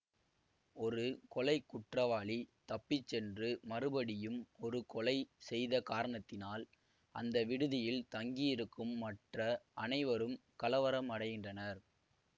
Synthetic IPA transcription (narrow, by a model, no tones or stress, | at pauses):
ɔɾɯkɔlɐɪkːʊʈrɐʋaːɭit̪ɐpːit͡ʃːɛndrɯmɐrɯbɐɽɪjɯmɔɾɯkɔɭɐɪsɛjðɐkaːɾɐɳɐt̪ːɪnaːl | ʔɐnd̪ɐʋɪɽɯðɪjɪlt̪ɐŋɡijɪɾɯkːɯmːɐʈrɐʔɐnɐɪʋɐɾɯmkɐlɐʋɐɾɐmɐɽɐɪɣɪndrɐnɐɾ